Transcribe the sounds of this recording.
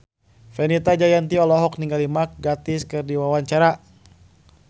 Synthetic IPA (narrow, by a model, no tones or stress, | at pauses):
fɛnit̪ad͡ʒajant̪iɔlɔɦɔk̚niŋɡalimak̚ɡat̪ɪskɨrdiwawaɲt͡ʃaɾa